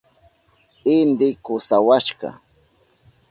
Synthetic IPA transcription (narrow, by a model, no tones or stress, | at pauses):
ɪnd̪ɪkʊsawaʃkɑ̰